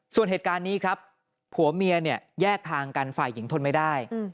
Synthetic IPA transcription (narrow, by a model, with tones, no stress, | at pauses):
su˨˩ənheː˨˩t̪̚kaː˧nːiː˦˥kʰɾa˦˥p̚ʰ | hu˨˩˦ɐmi˧əni˥˩əjɛː˥˩k̚t̪ʰaː˧ŋka˧nfa̰ː˨˩jːi˩˦ŋt̪ʰo˧nma˥˩jdaː˥˩j